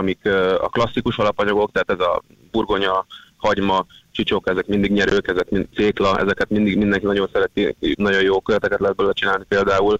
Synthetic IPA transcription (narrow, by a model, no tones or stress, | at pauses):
ɒmikɒ̰klɒsːikuʃɒlɒpɒɲɒɡo̞k̚t̪ɛɦaːt̪ɛzɒ̰ | burɡo̞ɲɒhɒɟmɒt͡ʃit͡ʃo̞kɛzɛkmind̪iɡɲɛɾøːkɛzɛkmiseːklɒʔɛ̰zɛkɛt̪mind̪iɡmind̪ɛŋkinɒɟo̞nsɛɾɛt̪inɒɟo̞joːkøɾɛt̪ɛkɛt̪lɛɦːd̪bølølɛt͡ʃinaːlnipeːld̪aːul